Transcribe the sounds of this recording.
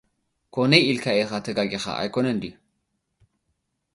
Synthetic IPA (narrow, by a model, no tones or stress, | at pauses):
kʰonejilkʰaexat̪ʰɐɡaɡexa̰ʔa̰jkonɐnd̪i